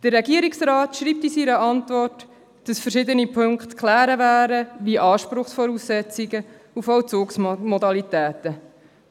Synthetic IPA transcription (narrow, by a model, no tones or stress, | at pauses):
d̥ərːɛɡiəɾiksɾɑːt̪ʃɾiːp̚t̪isiɾəʔɑntvɔrt | d̥ɑsfəɾʃɪd̪ənipʰɵŋkχt̪kʰlæːɾəvæːɾəʋiʔɑːʃpɾʊχsfɔɾuːssɛt͡siɡə | ufɔwt͡sʊːksmɔdɑlit̪æːt̪ə